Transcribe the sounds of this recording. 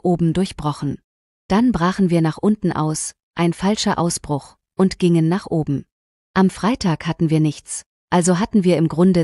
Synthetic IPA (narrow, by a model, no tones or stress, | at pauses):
ʔoːbm̩dʊɐçb̥ʁɔχn̩ | d̥anbʁaːχn̩viːɐnaːχʔʊntn̩ʔa̰ʊs | ʔaɪnfalʃɐʔaʊsb̥ʁʊx | ʔʊntɡ̥ɪŋənːaːχʔoːbm̩ | ʔamfʁ̥aɪtʰaːkhatn̩viːɐnɪçt͡s | ʔalzoɦatn̩viːɐɪmɡʁʊndə